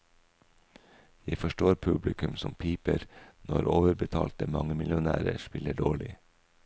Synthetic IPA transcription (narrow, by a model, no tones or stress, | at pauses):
jæɪfɔʃʈoːɾpʰʉblɪkʉmsɔmpʰiːpəɾnɔɾoːʋəɾbət̪ʰɑːlt̪əmɑŋəmɪlʊnæːɾəʃpɪləɖoːɭɪ